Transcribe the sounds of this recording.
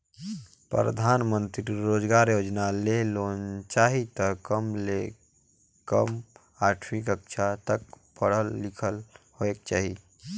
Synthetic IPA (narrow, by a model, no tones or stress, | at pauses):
pɾɾə̰d̪ʱaːnmə̃nt̪ɾiɾoːd͡ʒɡaːɾjod͡ʒnalelont͡ʃaːɦit̪əkəmle | kəm | aːʈʰmikəkʃʰat̪ək̚ | pəɽ̤əlːikʰəlhoek̚t͡ʃaːɦi